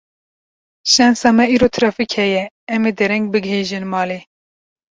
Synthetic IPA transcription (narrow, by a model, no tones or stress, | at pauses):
ʃɛnsɑːmɛiːɾoːt̪ʰɾɑːfikhɛjɛ | ɛmeːd̪ɛɾɛŋɡ̚bɨɡɦeːʒɨnmɑːle